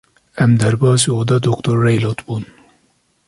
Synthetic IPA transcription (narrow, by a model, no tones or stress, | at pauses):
æmd̪æɾbɑːziod̪ɐd̪okt̪oɾːejlot̪bun